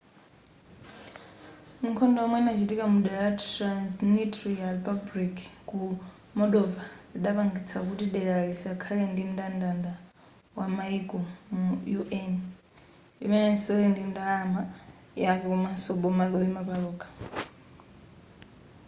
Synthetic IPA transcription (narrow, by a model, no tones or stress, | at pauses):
mukʰɔndɔɔmwɛnat͡ʃʰitikamuɗɛɺatansnitɾialpʰabɾikʰku | mɔɗɔvaiɗaβaŋɡit͡sʰakutiɗɛɺaɺisakʰalɛndim̩dʼandanda | wamaikʼɔmujuʔɛn | ḭmɛnɛsɔlɛndind̪alama | jakɛkɔmwɛsɔɓɔmalɔimapaɺɔːkʰʼḁ